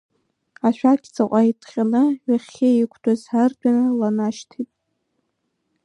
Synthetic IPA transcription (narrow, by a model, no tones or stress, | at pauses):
aʃᶣakʲʰʼt͡sʰʼaqʷʼaitʰʼχʲʼanɨɥʷaχʲeikʷʰdʼazardʷʼanɨlanaʃtʰitʼ